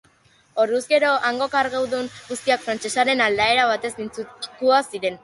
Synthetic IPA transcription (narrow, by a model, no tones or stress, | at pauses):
o̞ɾuzɡe̞ɾo̞ʔaŋɡo̞kaɾɣawðunɡust̪iakfɾant͡se̞saɾe̞nald̪ae̞ɾaβ̞at̪e̞znint͡sut̪kuasiɾe̞n